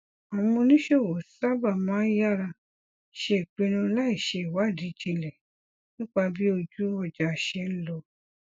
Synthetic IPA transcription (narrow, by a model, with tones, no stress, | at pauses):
a˨wũ˧nĩ˦ʃe˦˨wo˨sa˦ba˦˨mãː˨˦ja˦ɾa˧ | ʃe˧i˨k͡pe˧nũ˧˦la˦i˦˨ʃe˧i˨wa˨˦˨di˨˦d͡ʒĩ˧lɛ̃˨ | nĩ˦k͡pa˧bi˦o˧d͡ʒu˦ɔ˧˨d͡ʒa˨ʃɛ˧n̩˦lɔ˧